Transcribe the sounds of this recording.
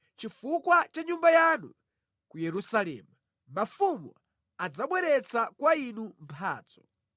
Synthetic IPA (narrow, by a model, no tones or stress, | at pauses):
t͡ʃifukwat͡ʃaɲumbajanṵ | kujɛɾusalɛ̰ːmu | mafumṵ | ad͡zaɓwɛɾɛt͡sakwainumpʰa̰ːd͡zɔ